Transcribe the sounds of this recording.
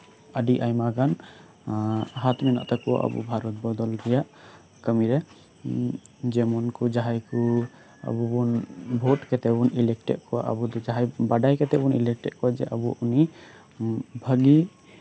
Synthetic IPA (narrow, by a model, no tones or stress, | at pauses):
əɖiʔajmaɡan | ɦat̪mina̰ʔt̪akɔwa̰ʔə̰bṵbʱaɾɔt̪̚bɔd̪ɔld̪ɛjaʔ | kəmiɾɛ | d͡ʒɛmɔnkɔd͡ʒaɦajku | ə̰bubunbʱoʈkɛt̪ɛbunilɛk̚ʈɛ̰ʔ̚kɔwa̰ʔə̰bud̪ɔd͡ʒaɦajbaɖajkɛt̪ɛbunḭlɛk̚ʈɛʔ̪̚kɔwad͡ʒɛ̰ʔəbuuni | bʱəɡi